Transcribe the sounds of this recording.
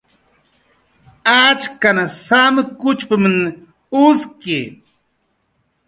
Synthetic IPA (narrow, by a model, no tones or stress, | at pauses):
at͡ʃkanasamkʊt͡ʃpɪmn | uski